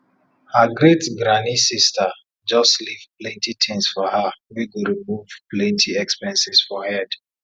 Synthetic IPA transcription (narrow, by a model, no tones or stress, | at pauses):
haɡɹetɡɹanisistə | d͡ʒɔstlivplɛ̃ntitʰĩŋsfɔhawiɡoɹimuvplɛ̃ntʰiɛkspɛ̃nsisfɔhɛd